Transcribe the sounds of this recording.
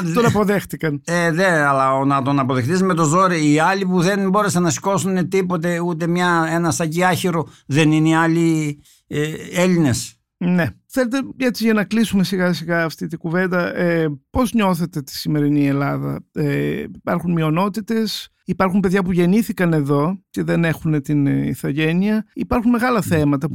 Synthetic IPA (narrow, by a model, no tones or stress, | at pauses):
t̪onɐpo̞ðe̞xθikɐneðeɐlɐonɐt̪o̞nɐpo̞ðext̪izme̞t̪o̞zoɾiiɐlipuðe̞nbo̞ɾesenɐsi̥ko̞sunet̪ipo̞t̪̬e̞ut̪e̞mɲɐenɐsɐciɐçiɾoðe̞nineɐli | eeline̞s | ne̞θe̞le̞t̪eet͡siʝɐnɐklisume̞siɣɐsiɣɐːft̪it̪iɡuve̞nd̪ɐʔepo̞zɲo̞θe̞t̪e̞t̪i̥sime̞ɾinie̞lɐðɐ̰eipɐɾxunmio̞no̞t̪it̪e̞s | ipɐɾxumpe̞ðʝɐpuʝe̞niθikɐne̞ðo̞ce̞ðe̞ne̞xune̞t̪inḭθɐʝe̞niɐipɐɾxunme̞ɣɐlɐθemɐt̪ɐ